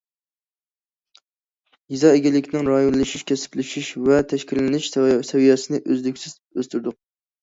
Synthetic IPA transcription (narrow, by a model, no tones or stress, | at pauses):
jizɑeɡʲɛlːɪkʲʰnɪŋɾɑjonlˠɨʃiʃkʲʰɛsɪ̥plɪʃiʃvɛt̪ʰɛʃkʲilɪnɪʃsɛvijɑsɨnɪʔøzlykʲsɪz̥ | øst̪yɾd̪ʊq̚